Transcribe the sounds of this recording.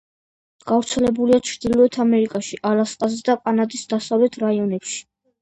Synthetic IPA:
ɡ̥avɾt̪sʰɛlɛbuliat͡ʃʰɾd̪̥ilɔɛt̪ʰamɛɾikʼaʃiʔalasqʼazɛd̪aqʼanad̪isd̪̥asavlɛt̪ʰɾaiɔnɛpʃi̥

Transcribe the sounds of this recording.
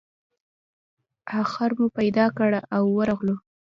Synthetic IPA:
ɑxaɾmupajd̪ɑkəɽaʔawːəɾɑɣlu

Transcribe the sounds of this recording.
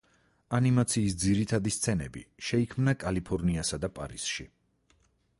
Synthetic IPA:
animat̪sʰiːsd̪ziɾit̪ʰad̪ist̪sʰɛnɛ̰bḭʃɛikʰmnakʼalipʰɔɾniasad̪apʼa̰ɾisʃi

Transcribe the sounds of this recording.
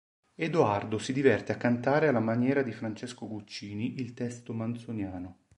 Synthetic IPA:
ed̪uard̪osid̪ivɛrt̪eakːant̪aːɾealːamanjɛːɾad̪ifɾant͡ʃɛskoɡut͡ʃːiːniʔilt̪ɛst̪omant̪sonjaːno

